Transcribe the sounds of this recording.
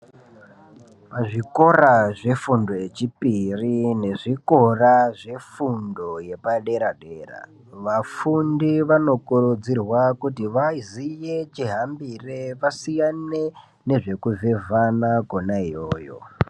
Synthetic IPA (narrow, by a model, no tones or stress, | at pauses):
paʐiko̞raʐe̞fundo̞je̞t͡ʃipirine̞ʐiko̞raʐe̞fundo̞je̞paɗe̞ɾaɗe̞ːra̰ | ʋafundiʋano̞kurud͡zirwakutiʋaizije̞t͡ʃiɦambire̞ʋasijane | ne̞ʐe̞kuve̞vanakonaijoːjo̰